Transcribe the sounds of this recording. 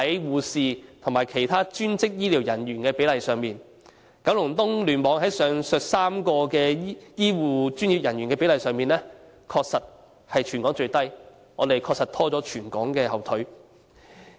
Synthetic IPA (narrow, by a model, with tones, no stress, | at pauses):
hɐ˨˦jwuː˨siː˨˧t̪ʰʊ˨˩maː˨˩jkʰe˨˩jt̪ʰaː˥t͡ʃyː˥nt͡sɪ˥k̚jiː˥li˨˩wjɐ˨˩nɥyː˨˩nkɛː˧pe˨˥jlɐ˨˩jsœː˨ŋmiː˨˩n | kɐ˨˥wlʊ˨˩ŋt̪ʊ˥ŋlyː˨˩nmɔː˨˧ŋɦɐ˨˥jsœː˨˧ŋsœː˨k̚saː˥mkɔː˧kɛː˧˥jiː˥wuː˨˩t͡ʃyː˥nji˨˧p̚jɐ˨˩nɥyː˨˩kɛː˧pe˨˥lɐ˨˩jsœː˨ŋmiː˨nlɛː˥ | kʰɔː˧k̚sɐ˨t̚ | hɐ˨jt͡ʃʰy˨˩nkɔ˨˥ŋt͡ʃɵ˧ɥt̪ɐ˥j | ŋɔː˨˧t̪e˨jkʰɔː˧k̚sɐ˨˩t̪ʰɔː˥t͡sɔː˨˥t͡ʃʰyː˨˩nkɔ̰ː˨˥ŋkɛː˧hɐ˨˩wt̪ʰɵ˨˥ɥ